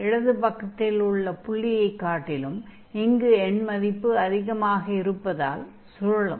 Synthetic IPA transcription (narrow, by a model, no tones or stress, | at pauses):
ɪɻɐðɯpɐkːɐt̪ːɪlʊɭːɐpʊɭːɪjɐɪkːaːʈːɪlɯm | ɪŋɡɯɛɳmɐðɪpːɯɐðɪɣɐmaːɣɐɪɾɯpːɐða̰ːl | sʊɾɐɭɐm